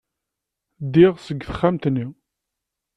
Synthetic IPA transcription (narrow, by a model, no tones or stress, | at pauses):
d̪iʁsəɡːθə̥χːamt̪nːi